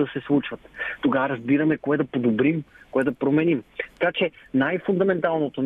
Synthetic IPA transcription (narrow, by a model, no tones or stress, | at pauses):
ɐsɛslˠut͡ʃvɐt̪t̪oɡavɐɾɐzbiɾɐmɛkoɛd̪ɐpod̪obɾimkoɛd̪ɐpɾomɛnimt̪ɐ̥kat͡ʃɛnajfʊnd̪ɐmɛnt̪alˠnot̪on